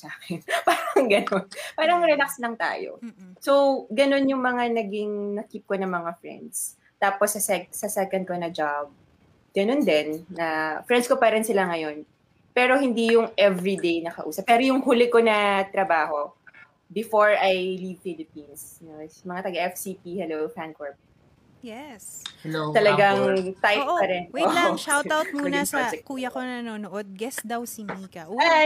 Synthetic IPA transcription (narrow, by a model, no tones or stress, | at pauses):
saːkɛnpaːɾɐɐŋɡɐnonpaːɾɐŋɾɛlakslɐŋt̪a̰ːjo̰sowɡɐno̞njʊŋmɐŋanɐɡiŋnɐkip̚konɐŋmɐŋafɹɛ̰nd̪s | t̪aːposːɐsɛksɐsɛkɐnd̪konɐd͡ʒab̚ | ɡ̥ɐnond̪ɛnːɐfɾɛnd̪skopaːɾɐnsɪlaŋɐjo̞n | pɛːɾo̞hɪnd̪ijʊŋʔɛvɹid̪ejnɐkɐ̰ʔuːsɐp̚ːɛːɾojʊŋhulɪko̞nɐt̪ɾɐbaːho̞ | bɪfoɹɐjlivfilɪpins | nomɐŋat̪ɐɡɐʔɛfsipihɛlowfan̚koɹpɛ | jɛst̪ɐlɐɡaŋt̪ajpɐɾɛnwɛoŋʃawt̪awt̪̚muːnɐsad͡ʒɛkuːjɐkonnoːnoʔod̪̚ɡɛsd̪ɐwsimiːkɐʔa